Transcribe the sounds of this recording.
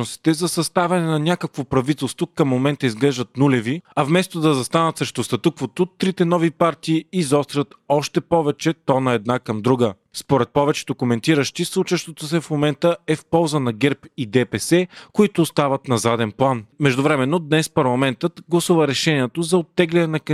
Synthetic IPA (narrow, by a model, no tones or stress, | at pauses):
osi̥t̪ɛzɐsɐst̪avɐnɛnɐnʲakəkvopɾɐvit̪ɛlˠst̪vokɐmːomɛnt̪əizɡlɛʒd̪ət̪̚nulʲɛviɐvmɛst̪od̪ɐzɐst̪anət̪sɾɛʃt̪ost̪ɐt̪ukvot̪ot̪ɾit̪ɛnɔvipaɾt̪iːizɔst̪ɾɐt̪ɔʃt̪ɛpɔvɛt͡ʃɛt̪ɔnɐɛd̪̚nakɐmd̪ɾuɡə | spoɾɛt̪̚pɔvɛt͡ʃɛ̥t̪ʊkomɛnt̪iɾəʃt̪islˠut͡ʃəʃt̪ot̪osɛfmomɛnt̪əɛfpɔlˠzənɐɡɛɾpid̪ɛpɛsɛkoit̪ʊːst̪avɐt̪nɐzad̪ɛnplˠanmɛʒd̪ovɾɛmɛnːod̪nɛspɐɾlˠɐmɛnt̪ət̪ɡlˠɐsuvɐɾɛʃɛniɛt̪ozɐot̪ːɛɡlɛnɛnɐk